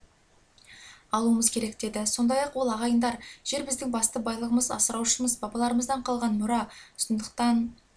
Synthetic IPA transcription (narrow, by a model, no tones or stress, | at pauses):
ɑlˠuəməzkʲʰe̞ɾe̞kd̪e̞d̪ɪso̞nd̪ɑjɑqwo̞lˠɑʁɑjənd̪ɑɾʒ̥e̞ɾbɪzd̪ɪŋbɑst̪əbɑjlˠəʁəməzɑ̰səɾɑwʃəməzbɑbɑlˠɑɾəməzd̪ɑɴqʰɑlˠʁɑnmʊɾɑʊsənd̪əq̚t̪ɑn